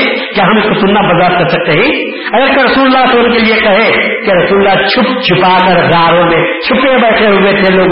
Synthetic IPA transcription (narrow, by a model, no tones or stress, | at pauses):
keɦəmɪskosʊnːabɐzaːt̪kɐɾsɐk̚t̪eɦɛ̃ | ɐseɾɐsuːllːasələmkeliekɐɦekeɾɐsuːllːat͡ʃʰʊp̚d͡ʒʰʱʊpakəɾɾaːɾõmẽt͡ʃʰʊpebəɪʈʰeɦoɡet̪ʰeloːɡ